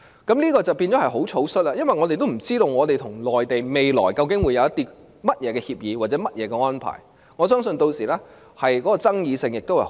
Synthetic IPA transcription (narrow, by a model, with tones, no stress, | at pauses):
kɐ˨˥mliː˥kɔː˧t͡sɐ˨˩wpiː˧nt͡sɔ˨˥hɐ˨jɦo˨˥wt͡sʰo˨˥wsɵ˥t̚laː˧˥jɐ˥nwɐ˨jŋɔ˨˧t̪e˨jt̪̬m̩˨˩t͡siː˥t̪o˨˧wŋɔː˨˧t̪̬e˨˩jt̪ʰʊ˨˩ŋlɔː˨jt̪e˨jme˨jlɔ̰ː˨˩jkɐ˧wkɪ˨˥ŋwuː˨˧jɐ˨˧wjɐ˥t̪iː˥ | mɐ˥t̚jɛː˨˧kɛː˧hiː˧p̚jiː˨˧waː˨t̚t͡sɛ˨˥mɐ˥t̚jɛː˨˧kɛː˧ŋɔː˥npʰa̰ː˨˩j | ŋɔː˨˧sœː˥ŋsɵ˧nt̪o˧wsiː˨˩lɛː˥ | hɐ˨jkɔː˨˥kɔː˧t͡sɐ˥ŋjiː˨˧sɪ˧ŋjɪ˨k̚t̪o˥whɐ˨˩